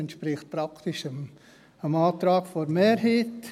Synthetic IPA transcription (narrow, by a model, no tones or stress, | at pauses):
ɛntʃpɾɪχt̚pɾɑkt̪ɪʃəm | əmɑːt̪ɾɑːɡfɔɾmeːɾɦiːt